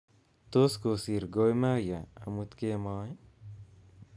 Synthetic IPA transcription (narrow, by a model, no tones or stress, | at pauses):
t̪oskosiɾɡojmajaɐmut̪kemaːj